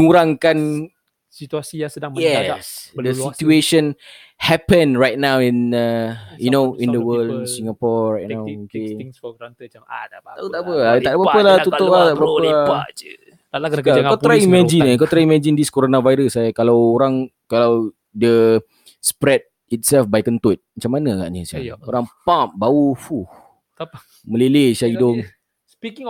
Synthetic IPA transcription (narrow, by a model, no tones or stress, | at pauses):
uɾaŋkan | sit̪uasiasədajɛsdəsit̪ueʃə̃n | hɛpə̃nɹajt̚nãwĩnəjunoĩndəwəlsiŋapɔɹɹajt̚nnãwki | aut̪aʔpəlat̪aʔbəɾapəlaut̪oʔlat̪aʔbəɾapə | kkakɔt̪ɾaimɛ̃d͡ʒinakɔt̪ɾaimɛ̃d͡ʒindiskoɾonãvajɾəsːajakalawoɾaŋ | kalaw | də | spɾɛd̚ | it̪̚sɛlfbajkənt̪ut̪̚mat͡ʃamːanaaɡa̰ʔɲəsaja̰oɾaŋpãpbaufuh | mə̃leleʃaidʊŋ